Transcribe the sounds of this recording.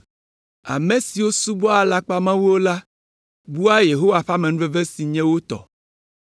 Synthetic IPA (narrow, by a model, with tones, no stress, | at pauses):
a̰˨mẽ˦si˨wo˦su˦bɔ˦a˨la˦k͡pa˦mã˦wu˦wo˦la˦ | bu˦a˦je˨ɦo˦wa˨ɸa˦me˨nũ˦ve˦ve˦si˨ɲɛ̃˦wo˦t̪ɔ̰˨